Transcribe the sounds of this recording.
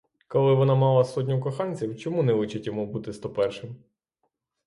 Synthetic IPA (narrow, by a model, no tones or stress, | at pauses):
kɔlˠɪʋɔnɑmɑlˠɐsɔt̬ʲnʲɔk̬ɔxɑnʲt͡sʲiwt͡ʃɔmunɛlˠɪt͡ʃɪtʲjɔmubut̪ɪst̪ɔpɛrʃɪm